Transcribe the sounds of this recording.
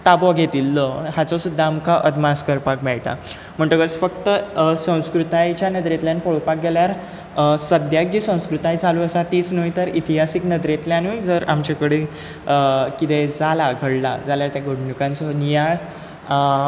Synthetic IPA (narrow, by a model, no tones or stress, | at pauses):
t̪abɔɡʱet̪ilːɔɦat͡sɔsud̪ʱːaːmkʰaʔəd̪maskəɾpak̚mɛɭʈa̰ | m̤əɳʈ̪əkət͡sfəkt̪əsə̃w̃skɾut̪ajt͡ɕjanəd̪ɾet̪ljanpɔɭpak̚ɡeljaɾ | səd̪ʱjak̚d͡ʑiːsə̃w̃skɾut̪ajd͡zʱaluəsat̪iːt͡snojt̪əɾit̪iɦasiknəd̪ɾet̪ljanud͡zəɾa̰mt͡ɕakəɽe | kit̪ed͡zalaɡʱəɽla̰d͡zaljaɾt̪jaɡʱəɽɳukãnt͡sɔnijaɭ